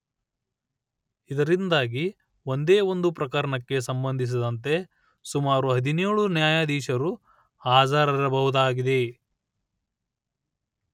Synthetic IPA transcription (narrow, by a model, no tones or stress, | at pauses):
id̪ɐɾind̪aːɡi | o̞nd̪eːo̞nd̪upɾɐkɐɾɐɳɐkːe̞s̬ɐmbɐnd̪ʱis̬id̪ɐnt̪e̞ | sumaːɾuɦɐd̪ineːɭunjaːjaːd̪iːʃɐɾu | aːzaːɾɐɾɐbɐɦud̪aːɡid̪e̞